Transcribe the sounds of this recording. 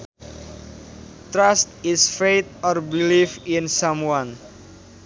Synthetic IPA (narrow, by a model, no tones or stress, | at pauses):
t̪ɾast̪isfejt̪̚ɔrbilifinsamwan